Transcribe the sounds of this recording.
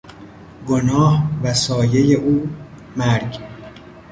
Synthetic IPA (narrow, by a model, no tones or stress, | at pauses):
ɡonɒːhvæsɒːje̞je̞ʔuː | mæɾɟ